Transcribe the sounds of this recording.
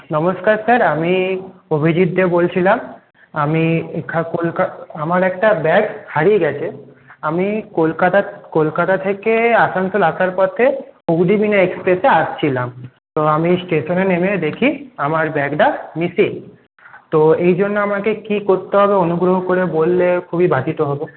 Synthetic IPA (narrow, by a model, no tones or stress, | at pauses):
nɔmoskaɾsaɾamiobʱid͡ʑid̪ːebolt͡ɕʰilam | amiekʰakolkaamaɾɛkʈabɛɡhaɾieɡɛt͡ɕʰe | amikolkat̪akolkat̪at̪ʰekeasansolaʃʰaɾpɔt̪ʰeuɡɖibineekspɾeseaʃt͡ɕʰilam | t̪oamisʈeʃonenemed̪ekʰiamaɾbɛɡɖamisiŋ | t̪oejd͡ʑonːoamakekikoɾt̪eɦɔbeonuɡɾoɦokoɾebolːekʰubibʱad̪ʱit̪oɦɔbo